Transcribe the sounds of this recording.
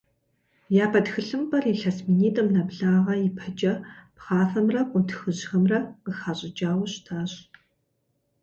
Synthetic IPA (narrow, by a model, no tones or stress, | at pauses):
jaːpʰɐtxɨɬɨmpʼɐriɬɐsminiːtʼɐmnɐbɮaːʁɐjɪpʰɐt͡ʃʼɐpχaːfɐmrɐqʷʼʊntʰxɨʑxɐmrɐqəxaːɕʼɪd͡ʒaːwɕtʰaːɕ